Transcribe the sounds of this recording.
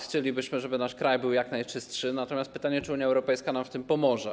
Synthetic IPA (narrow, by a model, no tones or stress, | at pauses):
xt͡ɕɛlʲibɘɕmɘʐɛbɘnaʂkɾajbɘwjaknajt͡ʂɘstʂɘnat̪ɔmʲjast̪̚pɘt̪aɲɛt͡ʂɘuɲjaɛwɾɔpɛjskanamft̪ɘmpɔmɔʐɛ